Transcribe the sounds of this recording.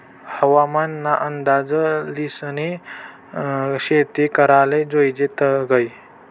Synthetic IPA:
həʋamanːaʔənd̪ad͡zəlisni | ɕet̪ikəɾaled͡zojd͡ʑet̪əɡəj

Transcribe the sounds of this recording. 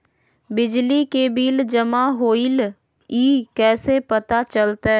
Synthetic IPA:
bɪd͡ʒlikebiːld͡ʒəmaɦoːɪl | iːkɛːsepət̪at͡ʃəlt̪aɦ

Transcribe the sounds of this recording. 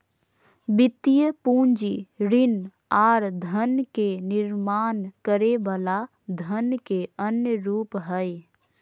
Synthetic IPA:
bɪt̪ːijəpũːnd͡ʒiɾɪn | aːɾd̪ʱənkenɪɾmaːnkəɾebala | d̪ʱənkeənjəɾuːpɦəj

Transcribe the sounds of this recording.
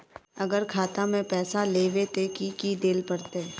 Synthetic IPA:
ɐɡəɾkʰaːt̪amẽpɛːsaleːʋet̪ekikid̪eːlpɐɽt̪e

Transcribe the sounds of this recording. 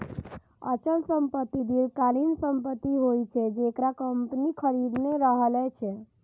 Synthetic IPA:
ə̰t͡ʃəlsəmpət̪ːid̪ilkalinsəmpət̪ːiɦojt͡ʃʰɛd͡ʒekɾakəmpnikʰəɾid̪neɾəɦəlɛt͡ʃʰɛ

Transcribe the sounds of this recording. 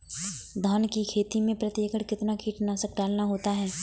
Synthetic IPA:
d̪ʱaːnkikʰeːt̪imẽpɾɐt̪jəkəɽkɪt̪nakʰiːʈnasək̚ɖaːlnaɦoːt̪aɦɛː

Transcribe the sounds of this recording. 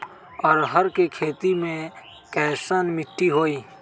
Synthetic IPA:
ɔːɾɦəɾkekʰeːt̪imẽ | kɛːsəːnmɪʈːiɦoːiː

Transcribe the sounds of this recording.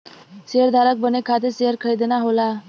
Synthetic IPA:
seəɾd̪ʱaɾək̚bənekʰat̪̬eseɦəɾkʰəɭid̪naɦola

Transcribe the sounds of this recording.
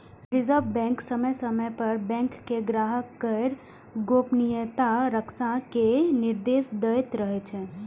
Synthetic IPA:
ɾɪzəɾʋbɛ̃ŋksəməjsəməjpəɾbɛ̃ŋkːeɡɾaːɦəkːəɾ | ɡoːpnijət̪aɾəksãkenɪɾd̪eːsd̪əit̪ɾəɦɛt͡ʃʰɛ

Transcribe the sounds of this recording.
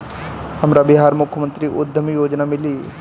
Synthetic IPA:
hɐmɾabɪɦaːɾmʊkʰjəmə̃nt̪ɾiʔʊd̪ʱːəmijoːd͡ʒnamɪli

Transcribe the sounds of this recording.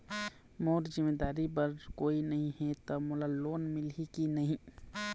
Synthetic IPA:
moːɾzɪmeːd̪aːɾibɐɾkoːinɐɦĩɦɛt̪omʊlalːoːnmɪlikinɐɦĩː

